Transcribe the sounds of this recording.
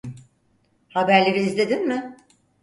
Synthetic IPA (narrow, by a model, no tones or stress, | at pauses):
habæɾlʲeɾiːzlʲe̞d̪inmɪ